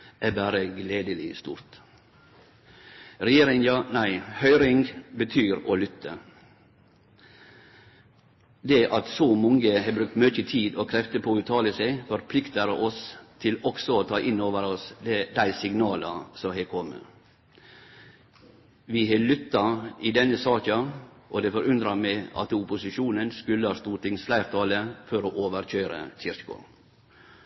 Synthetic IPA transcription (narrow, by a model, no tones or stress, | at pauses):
ʔæbæːɾəɡleːd̪əlɪst̪ṵːɾt̪ | ɾɛjeːɾɪŋjɑːnæɪhœʏɾɪŋbət̪ʰyːɾoːlʏt̪ːə̰ | d̪ɛʔɑt̪sɔmɔŋəhɑbɾʉk̚t̪mœçət̪ʰiːd̪oːkʰɾɛft̪əpʰoːʉːt̪ʰɑːləsɛɪfɔɾpʰlɪkt̪əɾɔst̪ʰɪlɔksɔoːt̪ʰɑːʔɪnːoːʋəɾɔsd̪d̪æɪsɪɡnɑːlɑsɔmɦɛkʰɔmːə̰ | ʋɪɦɛlʏt̪ːɑid̪ɛnːəsɑːkɑʔɔd̪ɛfɔɾʉnd̪ɾɑmɛɪɑ̰t̪ʊpʊsɪʃuːnənskʉlːəhɑːst̪uːʈ̪ɪŋsflæɪɾt̪ʰɑːləfɔɾoːʔoːʋəɾc͡çøːɾə̰çʰɪɾkʊ̰